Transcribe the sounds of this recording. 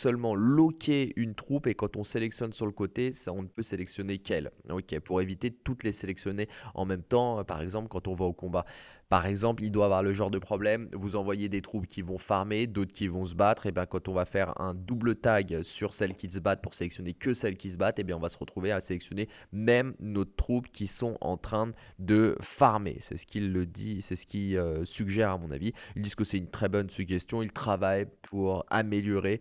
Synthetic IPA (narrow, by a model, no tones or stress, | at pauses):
sœlmɑ̃lɔkʲʰeynt̪χupekɑ̃t̪ɔ̃selɛksjɔnsyʁləkot̪esɔ̃nəpøselɛksjɔnekʲʰɛlo̰kʲepuʁevit̪et̪ut̪leselɛksjɔneɑ̰̃mɛmt̪ɑ̃pa̰ʁɛɡzɑ̃plkɑ̃t̪ɔ̃vaokɔ̃bapaʁɛɡzɑ̃plild̪waːvwaʁləʒɑ̃ʁd̪əpχɔblɛmvuzɑ̃vwajed̪et̪χupkʲivɔ̃faʁmed̪ot̪χkʲivɔ̃s̬əbat̪χebjɛ̃kɑ̃t̪ɔ̃vafɛʁɛ̰̃d̪ublət̪aɡsyʁsɛlkʲis̬əbat̪̚puʁselɛksjɔnekʲəsɛlkʲis̬əbat̪ebjɛ̃ɔ̃vasə̥ʁət̪χuveaselɛksjɔne | mɛmnot̪χubkʲisɔ̃ʔɑ̰̃t̪χɛ̃ | d̪əfaʁmḛsɛ̰sə̥kʰʲilːəd̪isɛsə̥kʲiøsyɡʒɛʁamɔ̃na̰viild̪izkəsɛt̪ynt̪χɛbɔnsyɡʒɛst̪jɔ̃ilt̪χavajpʰuʁa̰meljɔʁe